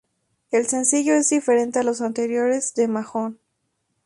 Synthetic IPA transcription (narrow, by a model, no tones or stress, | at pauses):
else̞nsiʝo̞e̞zðife̞ɾe̞nt̪ealo̞s̬ant̪eɾjo̞ɾe̞zðe̞maxo̞n